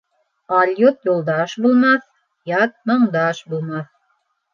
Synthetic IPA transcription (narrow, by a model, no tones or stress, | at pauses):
ɑlʲjut̪julˠd̪ɑʃbulˠmɑθ | jɑt̪̚mɤ̆ɴd̪ɑʃbulˠmɑθ